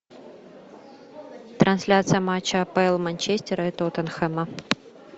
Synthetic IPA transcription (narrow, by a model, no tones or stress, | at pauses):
t̪ɾɐnsʲlʲat̪sɨjəmat͡ɕːɐpɛɛlˠmɐnʲt͡ɕesʲtʲɪɾɐɛt̪ot̪ənxɛmɐ